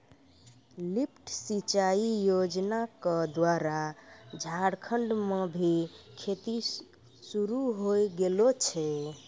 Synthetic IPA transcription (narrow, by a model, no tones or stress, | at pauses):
lip̚ʰʈsit͡ʃaijod͡ʒnakəd̪waɾad͡ʒʱaɽkʰəɳɖmebʱikʰet̪i | suɾuɦojɡelot͡ʃʰɛ